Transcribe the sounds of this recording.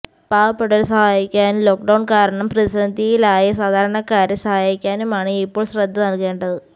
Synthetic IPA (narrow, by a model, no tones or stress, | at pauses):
paːʋɐpːeɽɐlsɐhaːjikʲːaːnumlo̞ːk̚ɖɐwɳkaːɾɐɳɐmprɐisɐnd̪ijilaːjisaːd̪ʱaːɾɐɳɐkːaːɾjɐsɐhaːjikʲːaːnumaːɳɨipːo̞ːɭɕrɐd̪ʱːɐnɐlke̞ːɳɖɐðɨ